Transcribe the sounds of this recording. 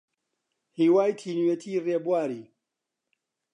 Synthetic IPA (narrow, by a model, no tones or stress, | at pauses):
hiːwaːjt̪ʰiːnuwjet̪ʰiːreːbwaːɾiː